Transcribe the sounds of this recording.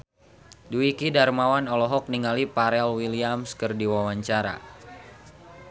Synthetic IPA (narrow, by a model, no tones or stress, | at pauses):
duwikidarmawanɔlɔɦɔk̚niŋalipaɾɛlwiliamskərdiwawaɲt͡ʃaɾa̰